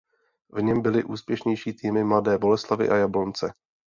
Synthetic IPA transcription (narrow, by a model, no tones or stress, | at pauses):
vɲɛmbɪlɪʔuːspjɛʃɲɛjʃiːt̪iːmɪmladɛːbo̞lɛslavɪ̰ʔajablont͡sɛ